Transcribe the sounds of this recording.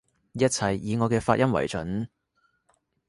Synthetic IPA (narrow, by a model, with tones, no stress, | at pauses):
jɐ˥t̚t͡sʰɐ˨jːiː˨˧ŋɔː˨˧kɛː˧faː˧t̚jɐ˥mwɐ̰˨˩jt͡ʃɵ˨˥n